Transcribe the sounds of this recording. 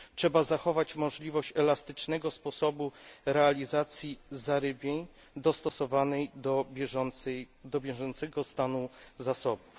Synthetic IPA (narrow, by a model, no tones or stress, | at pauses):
tʂɛbazaxɔvat͡ɕmɔʐlʲivɔɕt͡ɕɛlast̪ɘt͡ʂnɛɡɔspɔsɔbuɾɛalʲizat̪sʲjizaɾɘbʲjeɲ | d̪ɔst̪ɔsɔvanɛjd̪ɔ | d̪ɔbʲjɛʐɔnt̪sɛɡɔst̪anuzasɔbuf